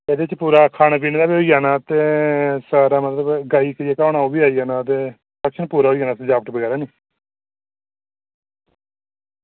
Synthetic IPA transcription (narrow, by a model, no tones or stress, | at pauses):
ed̪eːɪt͡ʃpuːɾaːkʰaːnaːp̬iːnd̪aːbioːiːaːnaːt̪eːsaːɾaːmət̪ləbɡaːiːkəɾiaːkaːnaːoːbiːaːiɦaːnaːt̪̬eː | pəkʃʰənpuːɾaːɦoːiːɦaːnaːt̪ed͡ʒaːpəʈbəɡɛːɾaːniː